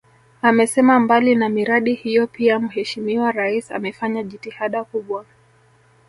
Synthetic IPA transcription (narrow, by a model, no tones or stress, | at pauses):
amɛsɛmambalinamiɾaɗihijɔpiam̩hɛʃimiwaɾaisa̰mɛfaɲaʄitihaɗakuɓwa